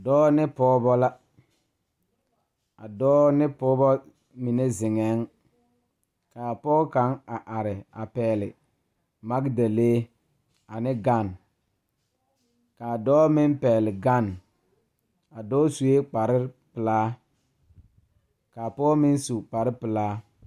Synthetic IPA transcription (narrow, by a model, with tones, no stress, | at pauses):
a˨dɔː˦nɪ˦pɔː˦bɔ˦la˦ | a˨dɔː˦nɪ˦pɔː˦bɔ˦ | mi˨ne˦zɪ˨ŋɛ˨˦ŋ | kaː˨pɔː˦ka˨˦ŋa˨ʔa˨ɾɪ˨a˨pɛː˨lɪ̰˨ | ma˦ɡda˨leː˦ | a˨nɪ˦ɡa˦˨n | kaː˨dɔː˦mɪ˦mpɛː˨lɪ˨ɡa˦˨n | a˨dɔː˦su˨e˦k͡pa˨ɾɪ˦pɪ˨laː˦ | kaː˨pɔː˦mɪ˦n˦su˨k͡pa˨ɾɪ˦pɪ˨laː˦